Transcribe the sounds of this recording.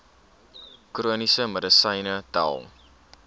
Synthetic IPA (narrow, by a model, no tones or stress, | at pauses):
kruənisəmədəsəjnətæ̰lˠ